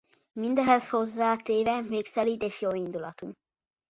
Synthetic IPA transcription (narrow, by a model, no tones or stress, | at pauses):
mind̪ɛɦɛsho̞zːaːt̪eːvɛmeːksɛlid̪eːʃjoːind̪ulɒt̪um